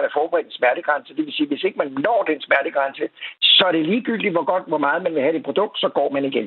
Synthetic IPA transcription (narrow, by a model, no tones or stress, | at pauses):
ænæɐfɒːb̥əʁɛ̰ːd̥nsmæɐɾ̥əɡ̥ʁɑ̈nsəd̥e̝ʋe̝siːʋe̝se̝ɡ̥əmænnɒ̰ːd̥ensmæɐɾ̥əɡ̥ʁɑ̈nsəsɒ̽æɐɾ̥e̝liːɡ̥yl̰d̥iʋɒ̽ɡ̥ɒ̽d̥ʋɒmɑ̈ːð̞̩ˠmænʋe̝ɦæd̥e̥pʰo̝d̥ɔ̽ɡ̥̚d̥sɒ̽ɡ̥ɒ̰ːmæniɡ̥en